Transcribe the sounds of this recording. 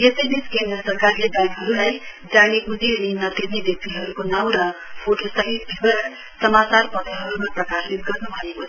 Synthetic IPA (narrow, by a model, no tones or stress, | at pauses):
esʌjbiskend̪rʌsʌrkarlebjaŋkɦʌɾulaj | d͡zaɽiɡud͡zininʌt̪irneb̪jʌk̚t̪iɦʌɾukonaw̃ɾʌpʰoʈosʌɦit̪bʱibʌɾʌ | sʌmat͡sarpʌt̪ʌɦʌɾumaprʌkasit̪̚ɡʌrnubʱʌeko